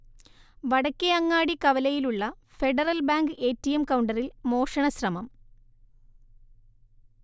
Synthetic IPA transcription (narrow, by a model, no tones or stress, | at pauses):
ʋɐɽɐkʲːeɐŋːaːɽikɐʋɐlɐjiluɭːɐ | fe̞ɖɐrɐlbaːŋɡɨeːtːijemkɐwɳɖɐrilmo̞ːʂɐɳɐɕrɐmɐm